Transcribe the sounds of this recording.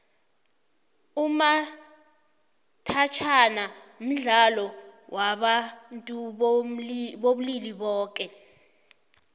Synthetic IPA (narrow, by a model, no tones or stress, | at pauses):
uma | tʰat͡ʃʰana | m̩ɮalɔwʔaɓantʼu | ɓoɓuliliɓɔːk̬ʼɛ